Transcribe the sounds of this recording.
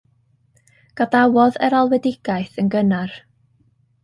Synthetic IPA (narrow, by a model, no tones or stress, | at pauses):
ɡ̥adawɔðɛɾalˠwɛdɪɡ̥ajθənɡənar